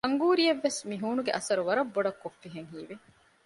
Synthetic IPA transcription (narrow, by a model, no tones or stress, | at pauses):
ɐŋɡuːɾijeʋːesmiɦuːnuɡeʔɐsɐɾuʋɐɾɐbːoɖɐkːofːiɦeŋɦiːʋi